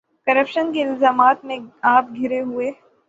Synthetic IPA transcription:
kɐɾəpʃənkeɪlzaːmaːt̪mẽaːp̚ɡʱɪɾeɦʊeː

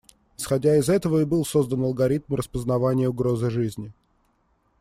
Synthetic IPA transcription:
ɪsxɐdʲaɪzɛt̪əvəɪbɨlˠso̞zd̪ənɐlˠɡɐɾʲit̪̚mrəspəznɐvanʲɪjəʊɡɾo̞zɨʐɨzʲnʲɪ

